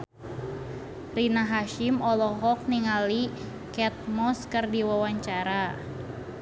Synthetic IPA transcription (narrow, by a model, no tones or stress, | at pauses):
rinaɦaʃimɔlɔɦɔk̚niŋali | kɛt̪̚mɔskərdiwawaɲt͡ʃaɾa